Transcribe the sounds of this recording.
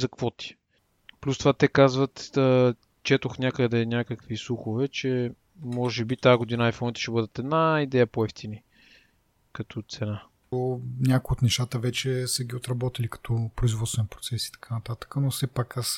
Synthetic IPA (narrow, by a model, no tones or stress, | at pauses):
zɐkvɔt̪i̥ | plʲust̪ovat̪ɛkazvət̪ə | t͡ʃɛt̪oxnʲakəd̪ɛnʲakəkvislˠuxovɛt͡ʃɛ | mɔʒɛbit̪aɡod̪inəajfɔnit̪ɛ̥ʃɛbɤd̪ət̪ɛd̪naid̪ɛjəpoɛft̪ini | kɐt̪ʰɔt̪sɛna | onʲakʊjot̪nɛʃt̪at̪əvɛt͡ʃɛsəɡʲiot̪ɾɐbɔt̪ilikɐ̥t̪ʰɔpɾoizvɔt̪st̪vɛnpɾo̥t̪sɛsi̥t̪ɐ̥kʰanɐt̪at̪ə̥kənofsɛpakas